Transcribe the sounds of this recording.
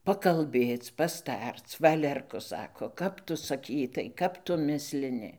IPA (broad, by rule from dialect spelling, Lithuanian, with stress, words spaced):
pɐkɐlʲˈbʲeːt͡s pɐsˈtɐrt͡s ˈʋɑːlʲɛrkʊ ˈsɑːkoː ˈkɐp tʊ sɐˈkʲiːtɐɪ ˈkɐp tʊ ˈmʲɪsʲlʲɪnʲɪ